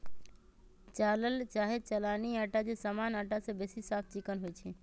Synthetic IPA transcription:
t͡ʃaːləlt͡ʃaːɦet͡ʃəlaːniaːʈad͡ʒesaːmaːnaːʈasebesisaːp̚ʰt͡ʃɪkənɦʊit͡ʃʰi

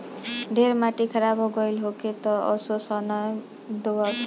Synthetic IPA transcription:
ɖʱeɾmaʈikʰʌɾabʌɡʌjlɦoket̪ʌʌ̰sosʌnʌj | d̪owʌ

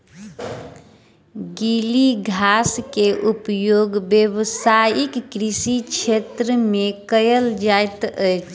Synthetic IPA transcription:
ɡiliɡʱaskeʔupjoɡbjəβsajikːɾisikt͡ʃʰet̪ɾəmekəjəld͡ʒajt̪əjt͡ʃʰ

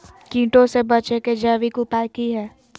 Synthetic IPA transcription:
kĩːʈõsebɐt͡ʃeked͡ʒaːʋikupaːkiɦɛː

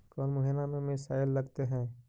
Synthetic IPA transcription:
kɔːlmʊɦinamẽmɪsaːɪlːɐɡt̪eɦɛ̃ː

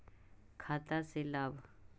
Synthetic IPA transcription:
kʰat̪aselaːb

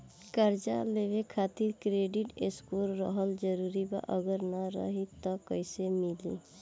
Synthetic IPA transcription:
kəɾd͡ʒa̰leʋekʰat̪iɾkɾeɖiʈeskoɾːə̰ɦəld͡ʒəɾuɾiba̰ʔəɡəɾnəɾə̰ɦit̪ɔkəɪsemilḭ

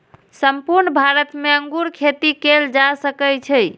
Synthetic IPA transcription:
səmpuɾnbʱaɾət̪meəŋɡuɾkʰet̪ikeld͡ʒasəkəjt͡ʃʰəj

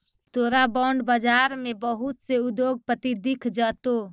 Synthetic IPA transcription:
t̪oɾabɔɳɖbəd͡ʒaɾmebəɦut̪seud̪joɡ̚pət̪id̪ikʰd͡ʒət̪o

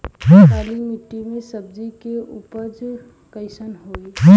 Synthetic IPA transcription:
ɦãaɾimɪʈːimẽsəb̚d͡ʒikeupəɾd͡ʒ | kəɪsənɦoiɦã

